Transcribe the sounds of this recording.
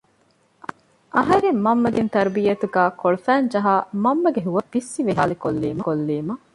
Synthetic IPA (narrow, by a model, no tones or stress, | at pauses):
ʔɐɦɐɾemːɐmːɐd̪int̪ɐɾbijɐt̪uɡæːkoɭufæːnd͡ʒɐɦaːmɐmːɐɡeɦuʋɐbisːiʋeɦa̰ːlikolːḭːmɐkolːiːmɐ